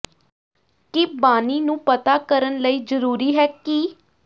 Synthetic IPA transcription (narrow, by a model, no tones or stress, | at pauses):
kɪbaːniːnũːpət̪aːkəɾənləiːzəɾuːɾiːɦɛːki